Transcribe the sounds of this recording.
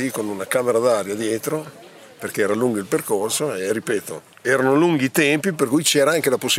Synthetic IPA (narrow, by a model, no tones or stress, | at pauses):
ikonunakaːmeɾad̪aɾjad̪jɛːt̪ɾo | perk̟eɛːɾaluŋɡoilperkorsoeripɛːt̪o̰ | ɛːɾanoluŋɡit̪ɛmpip̬erkujt͡ʃɛːɾaaŋk̟elaposːi